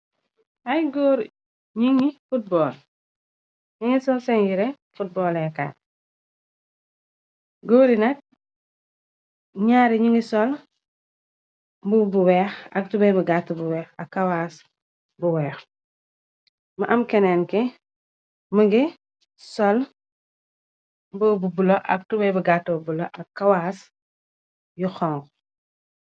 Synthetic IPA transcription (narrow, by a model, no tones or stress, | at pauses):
ajɡoːɾ | ɲiŋifut̚bɔːl | ɲiŋisɔlsɛnjiɾe | fut̚bɔːlɛka̰ːt | ɡoːɾinɐk̚ | ɲaːɾiɲiŋisɔl | bubuwɛːxɐ̰k̚tubɛbəɡatːəbuwɛːxɐkːawaːs | buwɛːx | mɐʔɐmkɛnɛːnki | məŋɡi | sɔl | mbəːbubulɐʔɐ̰k̚tubɛbəɡatːobulɐʔɐkkːawas | juxɔŋɡ